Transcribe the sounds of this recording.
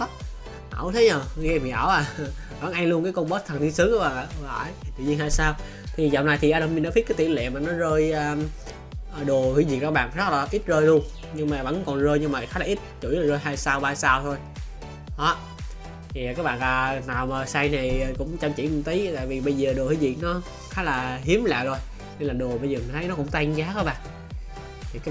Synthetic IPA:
ʔaː˧˩wt̪ʰe˨˦ɲəː˨˩˧ɣɛ˧˩mḭ˨ʔaː˧˩wʔaː˨˩ | və̰˧˥˩nʔa˧ŋlu˧ənkaː˨˦jkɔ˧nɓə˦˥t̚t̪ʰə˨˩nt̪i˧nsɨ˨˦əŋka˧˦ɓaː˨˩˨va̰ː˧˨˩jt̪ɨ̰˧˨ɲi˧nhaː˧jsaː˧w | t̪ʰi˨˩zɔ̰˧˨wnaː˨jt̪ʰi˨˩ʔaː˧nə˧mi˧nɗaː˧˥fi˦˥t̚kːt̪i˧˨˩lḛ˧˨maː˨˩nɔ˨˦zəː˧jəː˨˧ | ʔɗo˨˩əhḭ˨˧˦zi˨˩k̚zaː˧ɓa̰ː˧˨nza˦˥k̚laː˨˩ʔi˦˥t̚zəː˧jlu˧ən | ɲɨ˧ŋmaː˨˩və̰˧˥nkɔ˨˩nzəː˧jɲɨ˧ŋmaː˨˩xaː˦˥jlaː˨ʔi˦˥t̚t͡ɕṵ˧˩˦jlaː˨˩zəː˧jɦaː˧jsaː˧wɓaː˧saː˧wt̪ʰo˧j | ɗɔ˨˦ | t̪ʰi˨˩˨kaː˦˥k̚ɓa̰ː˧˨nʔlaː˨˩naː˨˩wməː˨˩saː˧jna˨˩jkʊ̰˧˥ŋ͡mt͡ɕa˧˩mt͡ɕḭ˧˥m˨˩t̪i˨˦t̪a̰ː˧˨jvi˨˩ɓə˧jzəː˨˩ɗo˨˩hi˧˦zi˨˩ək̚nɔ˨˦ | xaː˨˦˥laː˨˩ɦi˨˦əmla̰ː˧˨jzo˧j | n˧nlaː˨˩ɗo˨˩əɓə˧jzəː˨˩mi˨˩nt̪ʰə˦jnɔ˨˦kʊ̰˧˥ŋ͡mt̪a˧jŋzaː˨˦kaː˨˦˥ɓa̰ː˧˨nʰ | i˨˩kaː˦˥

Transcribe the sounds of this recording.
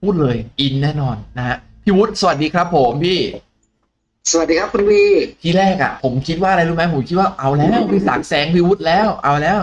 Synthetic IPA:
uː˥˩t̪̚lɤː˧jʔi˧nːɛː˥˩nɔː˧nːa˦˧ha˦˥ | pʰiː˥˩wu˦˥t̪̚sa˨wa˨˩t̪̚diː˧kʰɾa˦˥pʰːo˩˦mpʰiː˥˩ | sa˧wa˨˩t̚diː˧kʰa˦˥kʰu˧npʰiː˧˩t̪ʰiː˥˩ɾɛː˥˩k̚ʔa̰˨˩pʰo˩˦mkʰi˦t̪̚waː˥˩ʔa˧jɾuː˦˥˩ma˦˥pʰo˩˦mkʰi˦˥t̪̚waː˥˩ʔa˧wlɛː˦˥˩wpiː˧˩sa˨˩k̚sɛː˨˩˦ŋpʰiː˦˧wu˦˥t̪̚lɛː˦˥˩wʔa˧wlɛː˦˥w

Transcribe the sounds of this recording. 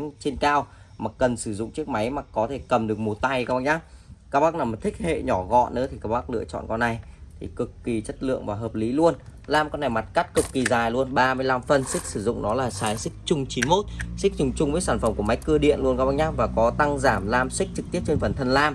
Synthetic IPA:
t͡ɕe˧nkaː˧wma˨˩kə˨˩nsɨ˧˩zʊ̰˧˨ŋ͡mt͡ɕɨ˦˥ək̚ma˨˦jmaː˨˩kɔ˨˦t̪ʰe˧˩kə˨˩mɗɨ˨˩ək̚mo˨˩t̪a˧jka˧˦˥ɓa˧˩ɲaː˦kaː˦˥k̚ɓaː˦˥k̚naː˨˩m̚˨˩t̪ʰï˦˥k̚hḛ˧˨ɲɔ˧˩ɣɔ̰˧˨nnɨ̰˧˨˦t̪i˨˩kaː˦˧˩ɓaː˦˥k̚lɨ̰˧ət͡ɕɔ̰˧˨nkɔ˧nʔa˨˩jt̪ʰi˨˩kɨ˨˩kːi˨˩t͡ɕə˦˥t̚lɨ̰˧˨əŋvaː˨˩ɦəː˨˩p̚li˨˦lu˧ənlaː˧mkɔ˧nːa˨˩jma˨˩t̚ka˦˥t̚kɨ˨˩kːi˨˩zaː˨˩jlu˧ənɓaː˧mɨ˧əjla˧mfə˨˩nsï˦˥k̚sɨ˧˩zʊ̰˧˨ŋ͡mnɔ˨˦laː˨˩saː˨˩jsï˦˥k̚t͡ɕʊ˧ŋ͡mt͡ɕi˨˦nmo˦˥t̚sï˦˥k̚t͡ɕʊ˧ŋ͡mt͡ɕʊ˧ŋ͡mvəː˨˦jsaː˧˩nfə˧˩mku˧˩əma˨˦jkɨ˧əɗḭ˧˨ənlu˧ənkaː˦˥ɓa˧˥ɲaː˦˥vaː˨˩kɔ˨˦t̪a˧ŋzaː˧˩mlaː˧msi˦˥k̚t͡ɕɨ˨˩k̚t̪i˦˥əp̚t͡ɕe˧nfə˨˩nt̪ʰə˧nlaː˧m

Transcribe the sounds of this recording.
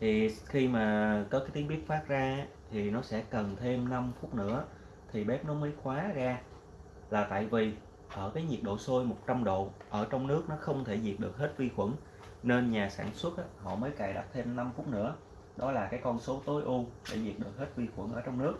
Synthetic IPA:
t̪ʰi˨˩xi˧maː˨˩kɔ˨˦kaː˨˦t̪i˨˦əɓi˦˥ət̚faː˦˥t̚zaː˧˦t̪ʰi˨˩nɔ˨˦sɛ̰˧˥kə˨˩nt̪ʰe˧mna˧mfʊ˦˥k͡p̚nɨ̰˧˥ə | t̪ʰi˨˩ɓɛ˦˥p̚nɔ˨˦məː˨˦jxwaː˨˦zaː˧ | laː˨˩t̪a̰ː˧˨jvi˨˩ | ʔəː˧˩kaː˨˦jɲi˨˩ət̚ɗo̰˧˨so˧jmo˨˩t̚t͡ɕa˧mɗo̰˧˨ʔəː˧˩t͡ɕɔ˧wŋ͡mnɨ˦˥ək̚nɔ˨˦xə˧wŋ͡mt̪ʰe˧˩zi˨˩ət̚ɗɨ˨˩ək̚he˦˥t̚vi˧xwə˧˩n | ne˧nɲaː˨˩saː˧˩nswə˦˥t̚ʔaː˧˦hɔ̰˧˨məː˨˦jkaː˨˩jɗa̰˨˩p̚t̪ʰe˧mna˧mfu˦˥t̚nɨ̰˧˥ə | ɗɔ˨˦laː˨˩kaː˨˦jkɔ˧nso˨˦t̪o˨˦jʔu˧ɗe˧˩zi˨˩ət̚ɗɨ˨˩ək̚he˦˥t̚vi˧xwə̰˧˩nʔəː˧˩t͡ɕɔ˧wŋ͡mnɨ˦˥ək̚

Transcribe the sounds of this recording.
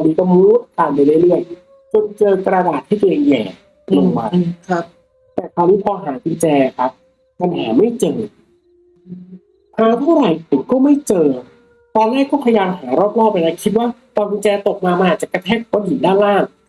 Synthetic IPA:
ɔ˧niː˦˥kɔː˥˩mu˦˥t̪̚kaː˧npa˧la˥˩lɯ˥˩əj | t͡ɕo˧nt͡ɕɤː˧kɾa˧daː˨˩t̪ʰːiː˥˩ke˧jɛː˨˩ | lu˧˥˩ŋwa˧k̚ʰ | t̪ɛː˨˩k̪ʰaː˧wniː˦˥pʰɔː˧ɦaː˩˦ki˧nt͡ɕɛː˧a˧˩kʰa˦˥p̚ | ka˧nɦa̰ː˩˦ma˥˩jt͡ɕɤː˧ | pʰɾɔ˦˥wt̪ʰa˥˩wɾa˨˩jpi˨˩kɔː˥˩ma˥˩jt͡ɕɤː˧ | t̪ɔː˧nːaː˥˩kɔː˥˩pʰa˧jaː˧mɦaː˩˦ɾɔː˥˩p̚lɔː˥˩k̚ːa˧jna˦˥kʰi˦˥t̪̚waː˥˩t̪ɔː˧nki˧nt͡ɕɛː˧t̪o˨˩k̚maː˧ma˧ʔaː˨˩t̚t͡ɕa˨˩kːa˧t̪ʰɛː˥˩k̚ʰu˩˦˩ji˨˩˦ndaː˥˩nlaː˥˩ŋ

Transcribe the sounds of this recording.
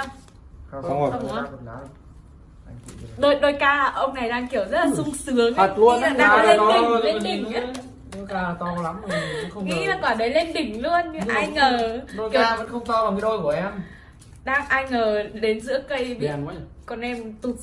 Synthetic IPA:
ə˧wŋ͡mə˧˨˦ | ɗo˧jɗo˧jkaː˧ʔə˧wŋ͡mna˨˩jɗaː˧ŋki˧˩əwzə˦˥t̚laː˨˩sʊ˧ŋ͡msɨ˨˦əŋa˨˧˩t̚lu˧ə˧əna˨˦ɗaː˧le˧i˨˩ŋ˧le˧ɗï˨˩˨ŋː˧˨˦ | ne˨˧˦kaː˧t̪ɔ˧la˨˦m˨˩˧xə˧ŋ͡mŋḭ˧˥laː˨˩kɔ˧˩ɗə˨˦jle˧nɗï˨˩ŋ̟lṵ˧ənɲɨ˧ʔa˧jŋːəː˨˩˧i˧˩˧və̰˧˦nxə˧wŋ͡mt̪a˧wlaː˨˩mɨ˨˦ɗo˧jku˧˩əʔɛ˧m | ɗaː˧ŋʔa˧jŋ̟ŋəː˨˩ɗe˨˦nzɨ̰˧˥əkə˧jvi˨˧˨ | kɔ˨˩nʔɛ˧mt̪u˨˩t̚

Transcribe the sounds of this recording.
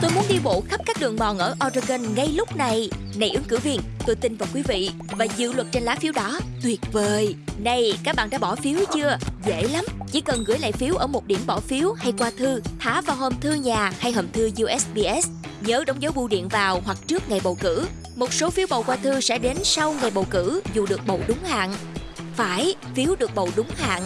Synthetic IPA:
t̪o˧jmu˨˦nɗi˧ɓo̰˧˨xa˦˥p̚kaː˦˥k̚ɗɨ˨˩əŋɓɔ˨˩nʔəː˧˩ʔɔ˧zə˧ɣə˧nŋa˧jlʊ˦˥k͡p̚na˨˩j | na˨˩jʔɨ˨˦əŋkɨ̰˧˥vi˧ənt̪o˧jt̪i˧nvaː˨˩wkwi˨˦vḭ˧˨ | vaː˨˩zɨ̰˧˨lwə˨˩t̚t͡ɕe˧nlaː˨˦fi˨˦wɗɔ˨˦t̪wi˨˩ət̚vəː˨˩jna˧jkaː˦˥k̚ɓa̰ː˧˨nɗaː˧˥ɓɔ˧˩fi˨˦əwt͡ɕɨ˧əzḛ˧˩˨la˨˦mt͡ɕḭ˧˥kə˨˩nɣɨ̰˧˩əjla̰ː˧˨jfi˨˦wʔəː˧˩mo˨˩t̚ɗi˧˩ənɓɔ˧˩fi˨˦əwha˧jkwaː˧t̪ʰɨ˧t̪ʰaː˧˨˦vaː˨˩wɦə˧˩mt̪ʰɨ˧ɲaː˨˩ha˧jɦəː˨˩mt̪ʰɨ˧zwʔɛ˦˥sɓi˧ʔɛ˦˥s | ɲəː˨˦ɗə˨˦wŋ͡mzə˨˦wɓu˧ɗḭ˧˨ənvaː˨˩whwa˨˩k̚t͡ɕɨ˦˥ək̚ŋa˨˩jɓə̰˨wkɨ̰˧˥ | mo˨˩t̚so˨˦fi˨˦wɓə̰˨wkwaː˧t̪ʰɨ˧sɛ̰˧˥ɗe˨˦nsa˧wŋa˨˩jɓə̰˨˩wkɨ̰˧˥zu˨˩ɗɨ˨˩ək̚ɓə̰˨˧˨wɗʊ˨˦ŋ͡mha̰ː˧˨ŋ | faː˧˩j | fi˨˦əwɗɨ˨˩ək̚ɓə̰˧˨wɗʊ˨˦ŋ͡mha̰ː˧˨ŋ

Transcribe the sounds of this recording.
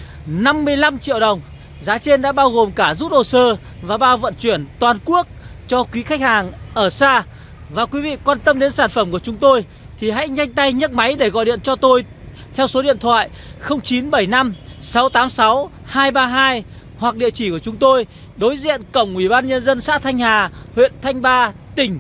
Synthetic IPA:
na˧mːɨ˧əjla˧mt͡ɕḭ˧˨əwɗə˨˩wŋ͡m | zaː˨˦t͡ɕe˧nɗa̰ː˧˥ɓaː˧wɣo˨˩mkaː˧˩zu˦˥t̚ɗo˨˩səː˧ | vaː˨˩ɓaː˧wvə̰˧˨nt͡ɕwi˧˩ənt̪waː˨˩nku˦˥ək̚ | t͡ɕɔ˧kwi˨˦xa˦˥k̚haː˨˩ŋʔəː˧˩saː˧ | vaː˨˩kwi˨˦vḭ˧˨kwaː˧nt̪ə˧mɗe˨˦nsaː˧˩nfə˧˩mku˧˩ət͡ɕʊ˨˦ŋ͡mt̪o˧j | t̪ʰi˨˩ɦa̰˧˥jɲa˧jŋ̟t̪a˧jɲə˦˥t̚ma˨˦jɗe˧˩ɣɔ̰˧˨jɗḭ˧˨ənt͡ɕɔ˧t̪o˧j | t̪ʰɛ˧wso˨˦ɗḭ˧˨ənt̪ʰwa̰ː˧˨j | xə˧wŋ͡mt͡ɕi˨˦nɓə˧˩jna˧msa˨˦wt̪aː˨˦msa˨˦w | haː˧jɓaː˧ɦaː˧j | hwa˨˩k̚ɗḭ˧˨ət͡ɕi˧˩ku˧˩ət͡ɕʊ˨˦ŋ͡mt̪o˧j | ɗo˨˦jzḭ˧˨ənkə˧˩wŋ͡mʔwi˧˩ɓaː˧nɲə˧nzə˧nsa̰ː˧˥t̪ʰa˧jŋ̟haː˨˩hwḭ˧˨ənt̪ʰa˧jŋ̟ɓaː˧t̪ï˨˩ŋ̟

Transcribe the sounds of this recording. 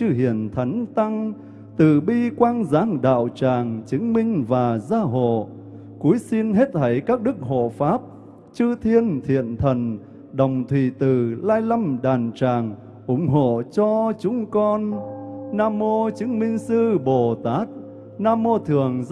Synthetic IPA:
t͡ɕɨ˧ɦḭ˧˨˩ənt̪ʰə˨˦jŋt̪a˧ŋ | t̪ɨ̰˨˩ɓi˧kwaː˧nzaː˨˦ŋɗa̰ː˧˨wt͡ɕaː˨˩ŋt͡ɕɨ˨˦ŋmï˧ŋ̟vaː˨˩zaː˧ɦo̰˧˨ | ku˨˦jsi˧nɦe˦˥t̚t̪ʰə˨˦jkaː˦˥k̚ɗɨ˦˥k̚ho̰˧˨faː˦˥p̚ | t͡ɕɨ˧t̪ʰi˧ənt̪ʰḭ˧˨ənt̪ʰə˨˩n | ɗə˨˩wŋ͡mt̪ʰwḭ˧˩t̪ɨ˨˩laː˧jla˧mɗaː˨˩nt͡ɕaː˨˩ŋ | ʔʊ˨˧˦ŋ͡mɦo̰˧˨t͡ɕɔ˧t͡ɕʊ˨˦ŋ͡mkɔ˧nː | aː˧mo˧t͡ɕɨ˨˦ŋmï˧ŋ̟sɨ˧ɓo˨˩t̪aː˦˥t̚ | naː˧mːo˧t̪ʰɨ˨˩əŋ

